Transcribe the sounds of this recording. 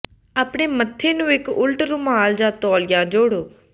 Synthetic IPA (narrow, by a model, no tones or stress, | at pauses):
aːpɽeːmət̪ʰːeːnũːɪkʊlʈɾũːmaːld͡ʒãːt̪ɔːlɪjãːd͡ʒoːɽoː